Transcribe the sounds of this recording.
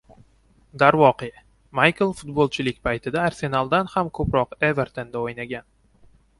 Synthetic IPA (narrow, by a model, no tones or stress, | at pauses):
d̪aɾvɒqe | majkʰɨlˠfʊt̪̚bolˠt͡ʃʰɪlɪkʲpʰajt̪ʰɪd̪aːɾse̞nalˠd̪anhamkʰɵpɾɒqeveɾt̪ʰend̪aojnaɡʲan